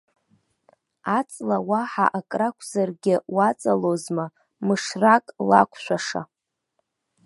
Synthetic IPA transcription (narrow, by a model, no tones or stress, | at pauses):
at͡sʼlawaħa̰ʔakʼrakʷʰzarɡʲɪwat͡sʼalozma | mɨʂrakʼla̰kʷʰʃʷᶣaʂa̰